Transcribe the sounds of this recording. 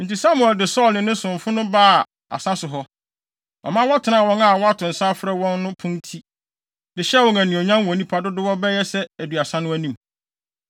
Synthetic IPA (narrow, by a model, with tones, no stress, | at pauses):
n̩˨ti˨sa˦mu˨ɛ˨ldɪ˨sɔː˦˨lnɪ̃˨nɪ̃˦sʊ̃˨ɱ˨fʊ˦nʊ̃˦baː˦˨ | a̰˨sã˦sʊ˨ɦɔ˦ | ɔ̰˨mã˦wɔ˦tʰɪ˨nã˦˨wɔ̃˦na˦˨wɔ˦a˦tʰʊ̃˨n̩˨sa˦fɾɛ˦wɔ̃˦nːʊ̃˦pʰũ˦ntʰi˦ | dɪ˨ɕɛ˦wɔ̃˨ŋæ̃˨nɪ̃˨o˨ɲã˦wɔ̃˨nĩ˦pʰa˦dʊ˦dʊ˦wɔ˦bɛ˦jɛ˦sɛ˦æ˨dɥa˨sã˦nʊ̃˦æ˦nĩ˦m